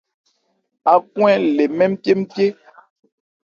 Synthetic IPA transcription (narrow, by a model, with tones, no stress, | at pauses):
a˨kw̃ɛ̃˦le˨mɛ˦m̩˦pʲe˦m̩˦pje˦